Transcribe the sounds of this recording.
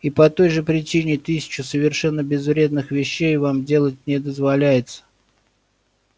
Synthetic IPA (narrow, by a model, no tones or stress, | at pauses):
ipɐt̪o̞jʐɨpɾʲɪt͡ɕinʲɪt̪ɨsʲɪ̥t͡ɕʊsəvʲɪrʂɛnːəbʲɪzvɾʲe̞d̪nɨxvʲɪɕːejvamdʲe̞lˠət̚ʲnʲɪd̪əzvɐlʲæjɪt̪sə̥